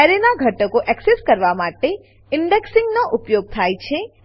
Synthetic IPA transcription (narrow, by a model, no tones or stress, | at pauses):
aɾenaɡʱəʈəkoʔɛkseskəɾʋamaʈe | ɪɳɖeksɪŋɡnoʔʊpjoɡ̚t̪ʰajt͡ʃʰe